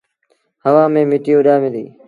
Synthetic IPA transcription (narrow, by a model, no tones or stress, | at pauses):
ɦəʋãːmẽːmɪʈɪjoːɗaːmɪlḭː